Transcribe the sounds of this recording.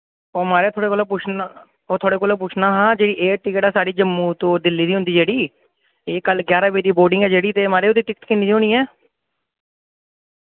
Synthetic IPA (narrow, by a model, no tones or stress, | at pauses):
oːmaːɾeːt̪ʰoːɽeːkoːloːput͡ʃʰː | oːt̪ʰoːɽeːkoːloːp̬uːt͡ʃʰnaːɦãːd͡ʒeːɽiːʔeːʈɪkəʈaːsaːɖiːd͡ʒəmːũːt̪õːd̪ɪlːiːd̪iːɦʊ̃nd̪iːd͡ʒeːɽiː | eːkəlɡjaːɾaːbeːd̪iːboːɾɖɪ̃ŋɡɛːd͡ʒeːɽiːt̪eːmaːɾeːʊd̪iːʈɪkt̪kiːnd̪iːdiɦoːɽiːɛː